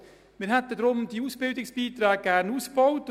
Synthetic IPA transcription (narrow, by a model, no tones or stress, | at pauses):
mɪːɾɦɛt̪ədɾʊmd̥iːuːsb̥ɪldɪksb̥iːt̪ɾaːɡ̚ɡ̥æɾnuːsb̥ɔwt